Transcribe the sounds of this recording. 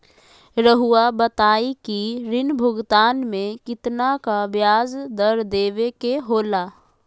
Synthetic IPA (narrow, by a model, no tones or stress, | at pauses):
ɾəɦuabət̪aːikiɾɪnbʱʊɡt̪aːnmẽkɪt̪nakabjaːzd̪əɾd̪eːʋekeɦoːlaː